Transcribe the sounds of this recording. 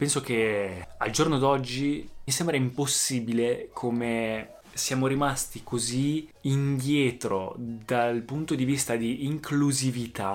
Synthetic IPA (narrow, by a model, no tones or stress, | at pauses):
pɛnsok̟ea̰ld͡ʒornod̪ɔd͡ʒːimisembɾaimposːiːbilekʰome | sjaːmoɾimast̪ikoziind̪jɛːt̪ɾo̰d̪alpunt̪od̪ivist̪ad̪iːŋkʰluzivit̪a